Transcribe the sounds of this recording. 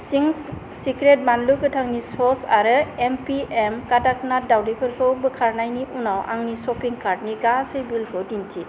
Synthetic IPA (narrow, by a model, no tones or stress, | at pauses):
siŋs | sikɾet̚manlukɯtʰaŋnisɔsaɾɯempiemkadak̚nadawdipʰɯɾkʰɯbɯkʰaɾnajniunawʔa̰ŋnisɔpiŋkaɾtniɡasɯjbilkʰɯwdintʰi